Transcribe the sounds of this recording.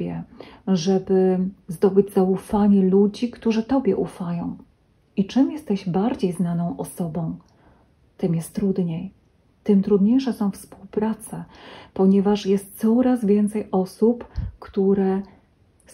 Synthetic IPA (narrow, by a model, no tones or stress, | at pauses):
ɛʐɛbɘzd̪ɔbɘd͡ʑzaufaɲɛlud͡ʑikt̪uʐɘt̪ɔbʲjɛʔufajɔ̃w̃ | it͡ʂɘmjɛst̪ɛʑbaɾd͡ʑejznanɔ̃w̃ʔɔsɔbɔ̃w̃ | t̪ɘmjɛst̪ːɾud̪ɲej | t̪ɘmt̪ɾud̪ɲejʂɛsɔ̃w̃fspuwpɾat̪sɛpɔɲɛvaʂjɛst̪̚t̪sɔɾazvʲjɛnt̪sɛjʔɔsupkt̪uɾɛ